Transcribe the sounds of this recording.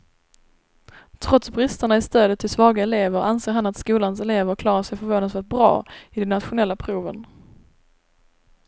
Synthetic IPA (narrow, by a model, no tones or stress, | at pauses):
t̪ʰɾɔt̪sbɾɪst̪aɳaɪst̪øːd̪ət̪ʰːɪlsvɑːɡaɛleːvəɾʔanseːɾɦhanat̪skuːlansɛleːvəɾkʰlɑːɾaʂɛjfœɾvoːnasvɛlt̪̚bɾɑ̰ːɪd̪ɛnːat̪ɧʊnɛlːapʰɾuːvə̰n